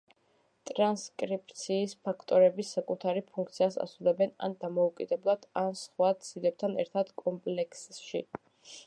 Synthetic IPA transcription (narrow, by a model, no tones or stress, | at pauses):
t̪ʼɾanskʼɾip̚ʼt̪sʰiːspʰakʰt̪ʼɔɾɛbisakʼut̪ʰaɾipʰuŋk̚ʰt̪sʰiasa̰sulɛbɛna̰nd̪amɔukʼid̪ɛblˠad̪̥ansχwat̪sʰilɛp̚t̪ʰanɛ̰ɾt̪ʰad̪kʼɔmpʼlɛkʰsʃḭ